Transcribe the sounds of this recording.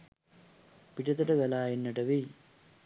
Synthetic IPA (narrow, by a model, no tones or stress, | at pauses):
piʈɐt̪ɐʈɐɡɐlaːjenːɐʈɐʋi